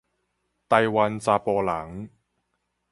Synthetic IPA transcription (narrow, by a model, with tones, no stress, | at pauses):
t̪ɐ˧jwɐ˧nt͡saː˧pɔː˧la˨˩˦ŋ